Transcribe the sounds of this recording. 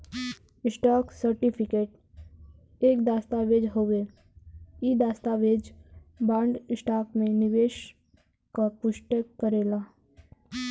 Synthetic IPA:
ɪsʈaːksəɾʈɪpʰɪkeːʈ̚ | eːkd̪aːst̪aʋeːd͡ʒɦoːʋe | id̪aːst̪aʋeːd͡ʒbaːɳɖɪsʈaːkmẽnɪʋeːʃ | kapʊʃʈəkəɾeːlaː

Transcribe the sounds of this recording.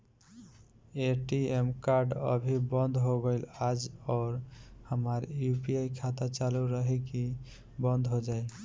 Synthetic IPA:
eʈiemkaɾɖə̰bʱibɔnd̪ʱɦoɡojlad͡ʒɔːɾhəmaɾjupiajkʰat̪at͡ʃaluɾəɦiki | bɔnd̪ʱɦod͡ʒaj

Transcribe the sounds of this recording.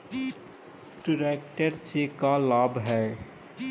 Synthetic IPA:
ʈɪɾeːk̚ʈəɾt͡ʃekalaːbɦɛː

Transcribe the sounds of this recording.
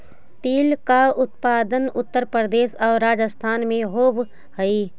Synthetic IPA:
t̪iːlkaʊt̪̚paːd̪ənʊt̪ːəɾpɾəd̪eːʃɔːɾːaːd͡ʒəst̪ʰaːnmẽɦoːb | həi

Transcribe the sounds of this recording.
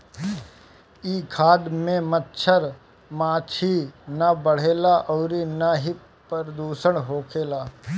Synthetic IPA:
iːkʰaːd̪mẽmətːʃʰəɾ | maːt͡ʃʰinɐbəɽ̤eːlaʔɔːɾinaɦi | pɾəd̪uːsəɽ̃ɦoːkʰeːlaː

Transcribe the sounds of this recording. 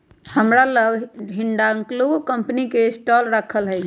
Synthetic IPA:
həmɾaləbɦiɳɖaŋklokəmpnikesʈɔlɾəkʰəlɦɛ

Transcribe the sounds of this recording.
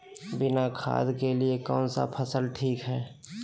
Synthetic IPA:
bɪnakʰa̰ːd̪ʱkeliekɔ̰ːnsa̰pʰəsəlʈʰiːkɦɛː

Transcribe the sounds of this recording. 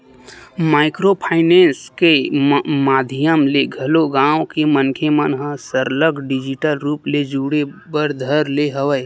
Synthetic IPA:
maːɪkɾopʰaːɪnẽːnskemaːd̪ʱijəmleɡʱəloɡãːwkemənkʰemənɦə̃səɾləɡɖɪd͡ʒɪʈəlɾuːpled͡ʒuːɽebəɾd̪ʱəɾleɦəʋəj

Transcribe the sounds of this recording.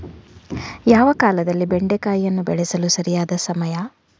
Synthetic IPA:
jaːʋɐkaːlɐd̪ɐlːibeɳɖekaːjijɐnːubɛɭɛsɐlusɐɾijaːd̪ɐsɐmɐja

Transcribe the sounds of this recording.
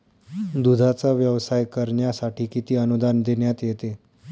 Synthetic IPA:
d̪ud̪ʱat͡saʋjəʋsajkəɾɳjasaʈʰiːkit̪iːənud̪and̪eɳjat̪jet̪e

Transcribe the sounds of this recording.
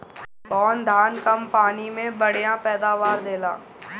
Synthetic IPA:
bɔːnd̪ʱaːnkɐmpaːnimẽbɐɽ̤ijãpɛːd̪aːʋaːɾd̪eːla̰ː

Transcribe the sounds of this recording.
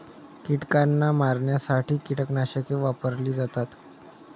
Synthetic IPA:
kiʈkanːamaɾɳjasaʈiːkiʈəknaɕəkeʋapəɾliːd͡zat̪at̪

